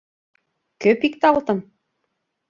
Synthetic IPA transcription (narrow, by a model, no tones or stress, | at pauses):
køpikt̪ɑlˠt̪ɤ̆m